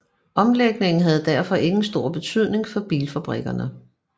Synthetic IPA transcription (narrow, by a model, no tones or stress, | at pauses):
ʔɒ̽mleɡ̥̚ne̝ŋn̩ɦæð̞̩ˠd̥æɐ̰fɒ̽ʔe̝ŋn̩sd̥o̝ɐ̰b̥e̝t͡sʰyð̞̰ˠne̝ŋfɒ̽b̥iːlfæb̥ʁiɡ̥ɐnə